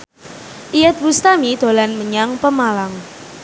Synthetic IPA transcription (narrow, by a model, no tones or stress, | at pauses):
ʔijɛt̪̚bust̪amid̪̥o̤lanməɲaŋpəmalaŋ